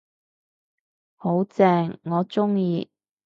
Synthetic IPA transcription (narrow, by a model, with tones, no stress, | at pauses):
ho˨˥wt͡sɛː˧ŋːɔː˨˧t͡sʊ˥ŋjiː˧